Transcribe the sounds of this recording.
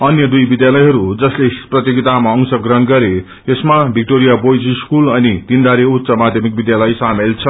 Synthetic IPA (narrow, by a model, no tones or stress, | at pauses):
ʌnjʌd̪ujbid̪jalʌjɦʌɾud͡zʌsleprʌt̪joɡit̪amaʌŋsʌɡrʌnɡʌɾe | esmabʱik̚ʈoɾijabojd͡ziskulʌnit̪ind̪aɾeut̪sʌmad̪ʱjʌmik̚bid̪jalʌjsamelt͡sʰʌ